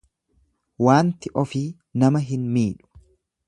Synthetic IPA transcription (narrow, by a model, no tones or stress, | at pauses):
waːnt̪ɪʔɔfiː | nɐmɐɦɪnmiːᶑʊ̥